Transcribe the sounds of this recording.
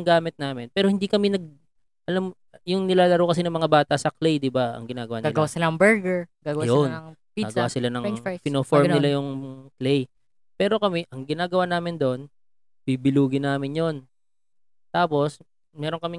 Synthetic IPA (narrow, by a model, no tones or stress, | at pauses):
ŋɡaːmɪt̪̚naːmɪnpɛːɾohɪnd̪ikɐmɪnɐɡ̚ | ʔɐlam | jʊŋnɪlaːlɐɾowkɐs̬inɐŋmɐŋabaːt̪ɐsɐklɛjd̪ɪbaɐ̰ŋɡɪnaːɡɐwaːnɡaɪlɡɐwasɪlaɐŋbɛɹɡɛɹɡaːɡɐwjon | aɡwaːsɪlanɐŋpɪnoːfoɹmnɪlajʊŋklɛj | pɛːɾo̞kɐmɛʔɐŋɡɪnaːɡɐwaːnaːmɪnd̪o̞n | b̥ibɪluːɡɪnaːmɪnjo̞n | t̪aːpo̞s | mɛːɾo̞ŋkɐmɪ